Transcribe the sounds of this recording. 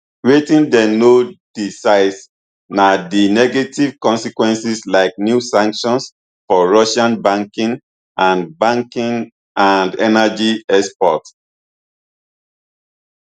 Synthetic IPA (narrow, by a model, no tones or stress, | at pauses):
ɹetĩndɛnod̥isaɪs | nadinɛɡetiv̥kɔ̃nsikwɛ̃nsislaɪk̚njusãŋkʃɔ̃ns | fɔɹɔʃãnbãŋkĩŋ | ʔãnbãŋkĩŋ | ãndɛnad͡ʒiɛspɔt